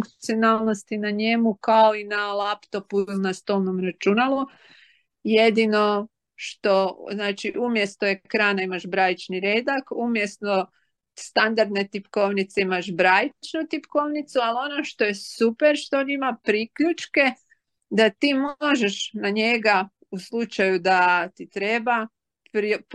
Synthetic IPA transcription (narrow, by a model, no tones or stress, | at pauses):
fuŋkt̪sionaːlˠno̞st̪inaɲe̞mukaoinalapt̪o̞punast̪o̞ːlˠnomɾat͡ʃunalu | jed̪ino̞ | ʃt̪o̞znaːt͡ʃiʔumje̞st̪o̞ekɾaːnaimaʒbɾajit͡ʃniɾeːd̪akumje̞stno̞ | st̪and̪aɾd̪ne̞t̪ipko̞ʋnit̪seimaʃbɾajit͡ʃnut̪ipko̞ʋnit̪sualo̞no̞ʃt̪o̞je̞supeɾʃt̪ood̪imapɾikʎut͡ʃke̞ | d̪at̪iːmoʒeʃnaɲeɡa | uslˠut͡ʃajud̪at̪it̪ɾe̞ba | pɾip